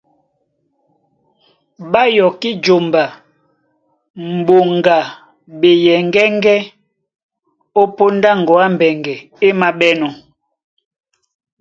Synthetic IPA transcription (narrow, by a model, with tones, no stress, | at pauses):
ɓa˦jɔ˨ki˦d͡ʒo˨mba˨ | m̩˨bo˨ŋɡa˨ | be˨jɛ˨ŋɡɛ˦ŋɡɛ˦ | o˦po˦nda˦ŋ˨ɡɔ˨a˦m˨bɛ˨ŋɡɛ˨ | e˦ma˨ɓɛ˦nɔ˨